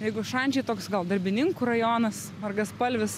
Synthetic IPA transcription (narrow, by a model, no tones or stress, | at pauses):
jɛɪɡʊʃɐnʲd͡ʒʲɛɪt̪oːksɡɐlˠd̪ɐɾʲbʲɪnʲɪŋkuɾɐjoːnɐs | ɐrɡɐspɐlʲʋʲɪs